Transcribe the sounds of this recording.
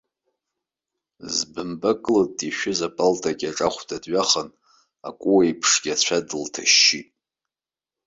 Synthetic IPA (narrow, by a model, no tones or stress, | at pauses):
zbɨmbakʼlɨtʼiʃᶣɪzapʼaltʼakʲʼaʈ͡ʂʼaχʷdadɥaχən | a̰kʷʼuajpʰʂɡʲat͡ɕʷʰadɨltʰaʃːi